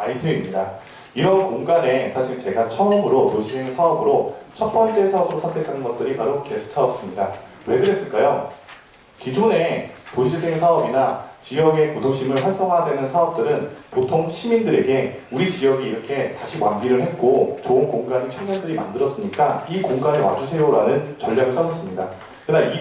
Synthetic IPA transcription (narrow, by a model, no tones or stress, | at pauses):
aitʰɯimɲida | iɾʌnkoŋɡane̞sʰaɕʰiɭt͡ɕe̞ɡat͡ɕʰʌɯmɯɾotoɕʰiseŋsʰaʌbɯɾot͡ɕʰʌt̚p͈ʌnt͡ɕ͈e̞sʰaʌbɯɾosʰntʰe̞kʰanɯnɡʌt̚t͈ɯɾipaɾoke̞sʰu̥tʰaʌp̚s͈ɯmɲida | we̞ɡɯɾe̞s͈ɯɭk͈ajo | kid͡ʑone̞toɕʰiɭsʰeŋsʰaʌbinat͡ɕijʌɡe̞kudoŋɕ͈imɯɭɸwaɭs͈ʌŋɦadwe̞nɯnsʰaʌp̚t͈ɯɾɯnpotʰoŋɕʰimindɯɾe̞ɡe̞uɾit͡ɕijʌɡiːɾʌkʰe̞taɕʰiwanbiɾɯɭɦe̞t̚k͈ot͡ɕoɯnkoŋɡanet͡ɕʰʌŋɲʌŋdɯɾima̰ndɯɾʌs͈ɯmɲik͈aikoŋɡanɯɭwa̰d͡ʑusʰe̞joɾanɯnt͡ɕʌʎːaɡɯɭsʰʌdʌs͈ɯmɲida̰ | kɯɾɯnai